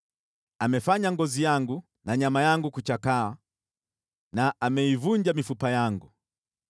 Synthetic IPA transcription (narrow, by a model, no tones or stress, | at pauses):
amɛfaɲaŋɡɔzijaŋɡu | naɲamajaŋɡukut͡ʃakaa | naʔamɛivuɲd͡ʒamifupajaŋɡu